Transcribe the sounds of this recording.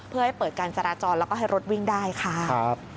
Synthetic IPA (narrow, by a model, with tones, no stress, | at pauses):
pʰɯ˥˩ha˥˩jpɤː˨˩t̪̚kaː˧nt͡ɕa˧ɾaː˦˥t͡ɕɔː˧nlɛː˦˥wkɔː˥˩ɦa˥˩jɾo˦˥t̪̚wi˥˩ŋdaː˥˩jkʰa˥˩ʔa˦˥p̚